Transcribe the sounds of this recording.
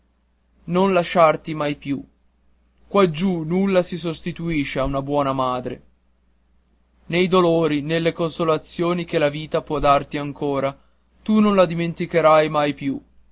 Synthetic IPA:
nonlaʃart̪imajpju | kːwad͡ʒunulːasis̬ost̪it̪uiʃeaunabwɔːnamaːd̪ɾḛ | nejd̪oloːɾinelːekonsolat̪sːjoːnikelaviːt̪apwɔd̪art̪iaŋkoːɾa | t̪unõnlad̪iment̪ikeɾajmajpju

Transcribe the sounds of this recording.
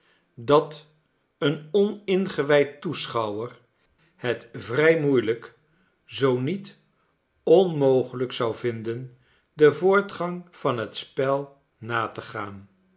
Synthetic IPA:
dɑt | ənɔnɪnχəʋɛjtːusχɑwər | hətvrɛjmujlək | zownit | ɔnmowχələksʌwvɪndən | dəvʊːɹtχɑŋv̥ɑnɦətspɛlˠ | naːtəχaːn

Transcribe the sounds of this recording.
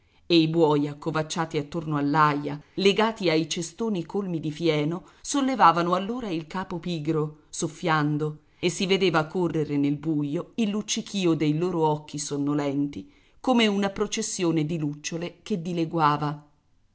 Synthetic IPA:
eibwɔːjakːovat͡ʃːaːt̪iat̪ːornoalːajaleɡaːt̪iajt͡ʃest̪oːnikʰolmid̪ifjɛːno | solːevaːvanoalːoːɾailkaːpopiːɡɾosofːjand̪o | esːived̪eːvakorːeɾenelbujoilːut͡ʃːikʰiːod̪ejloːɾoɔk̟ːisonːolɛnt̪i | komeunapɾot͡ʃesːjoːned̪ilut͡ʃːoleked̪ːileɡwaːva

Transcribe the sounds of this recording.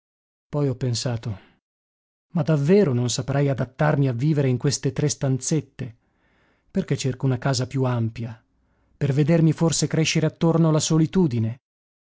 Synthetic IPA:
pɔjɔpːensaːt̪o | mad̪avːeːɾononsapɾʔɛjad̪at̪ːarmiavːiːveɾeiŋkwest̪et̪ɾest̪ant̪set̪ːe | perket͡ʃːerkounakaːzapjuampja | perved̪ermiforsekɾeʃːeɾeat̪ːornoalːasolit̪uːd̪ine

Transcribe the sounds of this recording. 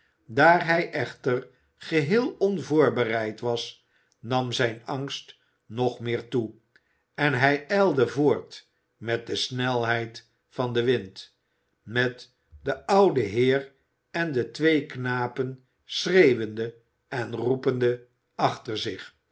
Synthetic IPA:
daːɹɦɛjʔɛχtər | χəɦɪːlˠɔnvʊːɹbərɛjtʋɑs | nɑmzɛjnɑŋst | nɔχmɪːɹtu | ɛnɦɛjɛlˠdəvʊːɹt | mɛt̚dəsnɛlˠɦɛjt | fɑndəʋɪnt | mɛt | dəʔʌwdəɦɪːr | ɛndətʋejknaːpən | srejʋəndə | ʔɛnrupəndə | ɑχtəɹzɪχ

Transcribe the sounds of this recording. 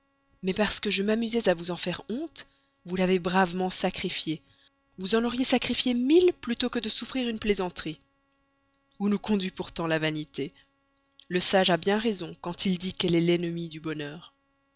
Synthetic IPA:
mɛpaʁsə̥kəʒəmamyzɛzavuzɑ̃fɛʁɔ̃t̪ | vulavebʁavmɑ̃sakχifje | vuzɑ̃nɔʁjesakχifjemilplyt̪okəd̪əsufχiʁynplezɑ̃t̪χi | unukɔ̃d̪ɥipuʁt̪ɑ̃lavanit̪e | ləsaʒabjɛ̃ʁezɔ̃kɑ̃t̪ild̪ikɛlɛlɛnəmid̪ybɔnœːʁ

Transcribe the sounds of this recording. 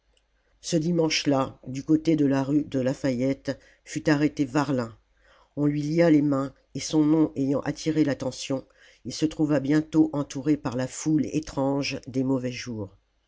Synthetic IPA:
səd̪imɑ̃ʃlad̪ykot̪ed̪əlaʁyd̪əlafajɛt̪ | fyt̪aʁet̪evaʁlɛ̃ | ɔ̃lɥilialemɛ̃ | esɔ̃nɔ̃ʔejɑ̃ʔat̪ʰiʁelat̪ɑ̃sjɔ̃ | ilsət̪χuvabjɛ̃t̪oʔɑ̃t̪uʁepaʁlafulḛt̪χɑ̃ʒd̪emɔvɛʒuːʁ

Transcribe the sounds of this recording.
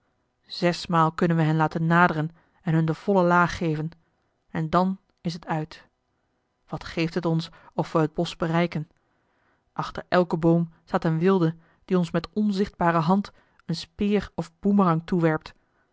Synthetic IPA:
z̥ɛsmaːlˠkɵnənʋəɦɛnlaːtənːaːdərən | ɛnɦɵndəv̥ɔləlaːχːejvən | ɛndɑn | ɪs̬ɦətʰœɥt | ʋɑtχejftɦətɔns | ɔfʋəɦəd̚bɔsbərɛjkən | ʔɑχtəɹɛlˠkəbowmsaːtənʋɪlˠdə | d̥iɔnsmɛtɔnzɪχd̚baːrəɦɑnt | ənspɪːrɔvbumərɑŋtuʋɛɹp̚t

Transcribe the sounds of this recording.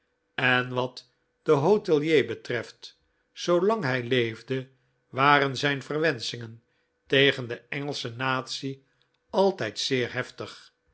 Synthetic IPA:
ɛnʋɑt | d̥əɦowtɛlˠjejbətrɛft | solɑŋɦɛjlejvdə | ʋaːrənzɛjnfərʋɛnsɪŋən | tejχəndəɛŋəlˠsənaːt̪si | ɑlˠtɛjtsɪːɹɦɛftəχ

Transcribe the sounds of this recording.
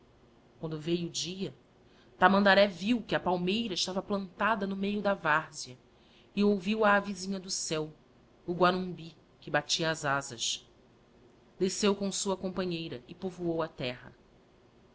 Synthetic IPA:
kwɐ̃nd̪ʊvejʊd͡ʒiɐ | t̪amɐ̃nd̪aɾɛviwkɪɐpawmejɾɐɪʃt̪avɐplɐ̃nt̪ad̪ɐnʊmejʊd̪ɐvaɾziɐ | ɪowviwɐːvizĩɲɐd̪ʊsɛw | ʊɡwanũbi | kɪbat͡ʃiɐːzazɐʃ | d̪esewkõsuɐkõmpɐ̃ɲejɾɐɪpovuowɐt̪ɛɦɐ̰

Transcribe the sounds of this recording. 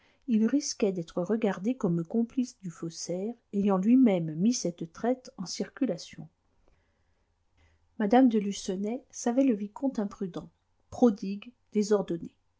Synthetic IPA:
ilʁiskʲɛd̪ɛt̪χəʁəɡaʁd̪ekɔməkɔ̃plisd̪yfɔsɛʁejɑ̃lɥimɛmːisɛt̪t̪χɛt̪ɑ̃siʁkʲylasjɔ̃ | mad̪amd̪əlysɔnɛsavɛləvikɔ̃t̪ɛ̃pχyd̪ɑ̃ | pχɔd̪iɡ | d̪̥ezɔʁd̪ɔne

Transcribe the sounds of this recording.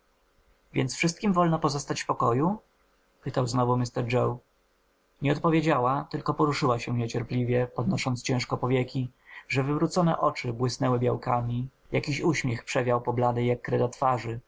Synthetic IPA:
vʲjɛnt̪sfʂɘst̪kʲimvɔlnɔpɔzɔst̪at͡ɕfpɔkɔju | pɘt̪awznɔvumʲist̪ɛɾd͡ʐɔw | ɲɛɔt̪pɔvʲjed͡ʑawat̪ɘlkɔpɔɾuʂɘwaɕɛɲɛt͡ɕɛɾplʲivʲjɛpɔd̪nɔʂɔnt̪st͡ɕɛ̃w̃ʂkɔpɔvʲjɛkʲiʐɛvɘvɾut̪sɔnɛ̰ʔɔt͡ʂɘbwɘsnɛwɘbʲjawkamʲi | jakʲiɕuɕmʲjɛxpʂɛvʲjawpɔblad̪ɘjakːɾɛd̪at̪faʐɘ

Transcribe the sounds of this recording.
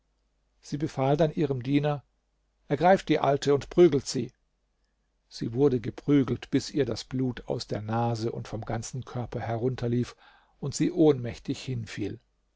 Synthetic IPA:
z̥iːbəfaːldanʔiːʁəmdiːnɐ | ʔɛɐɡʁaɪft̚d̥iːʔaltʰəʊntpʁ̥yːɡl̩tz̥iː | z̥iːvʊɐdəɡəpʁ̥yːɡl̩tb̥ɪsʔiːɐdasb̥luːtʰa̰ʊsd̥eːɐnaːzəʔʊ̰ntfɔmɡant͡sn̩kʰœɐpʰɐhɛʁ̞ʊntʰɐliːf | ʊntz̥iːʔoːnmɛçtɪçhɪnfiːl

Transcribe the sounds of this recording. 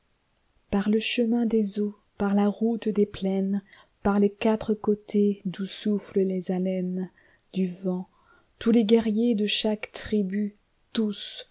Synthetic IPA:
paʁləʃəmɛ̃d̪ezo | paʁlaʁut̪d̪eplɛn | paʁlekat̪χəkot̪ʰed̪usufləlezalɛn | d̪yvɑ̃ | t̪uleɡɛʁjed̪əʃakt̪χiby | t̪us

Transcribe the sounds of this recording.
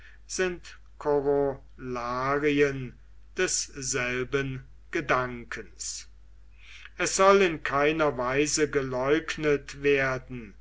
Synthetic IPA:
z̥ɪnt | kʰoʁo | laːʁiən | d̥ɛsz̥ɛlbən | ɡ̥ədaŋkʰəns | ʔɛsz̥ɔlɪnkʰaɪnɐvaɪzəɡəlɔʏknətv̥eːɐdn̩

